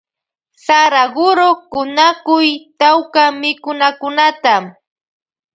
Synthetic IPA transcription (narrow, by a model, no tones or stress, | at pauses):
saɾaɢʊɾokʊnakʊjt̪awkamɪkʊnakʊnat̪am